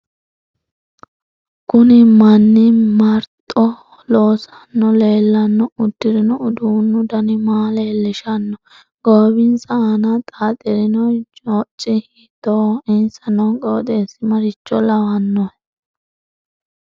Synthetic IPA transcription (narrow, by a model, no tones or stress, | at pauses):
kʊnɪmɐnːɪmɐɾt̪ʼɔ | loːsɐnːɔleːlːɐnːɔʊd̪̥ːɪɾɪnɔʊd̪uːnːʊd̪ɐnɪmaːleːlːɪʃɐnːɔ | ɡ̥oːbɪnsɐanɐt̪ʼaːt̪ʼɪɾɪnɔɔːt͡ʃʼːɪhɪt̪ːoːɪnsɐnɔkʼoːt̪eːsɪmɐɾɪt͡ʃːɔlɐwɐnːɔ